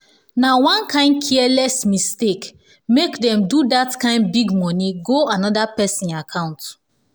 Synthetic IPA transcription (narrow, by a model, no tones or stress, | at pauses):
nawãnkʰãɪ̃nkʰiɛlɛsmistek | mekdɛ̃mdudatkãɪ̃nbiɡmɔniɡoanɔdapɛsĩnakʰãʊ̃nt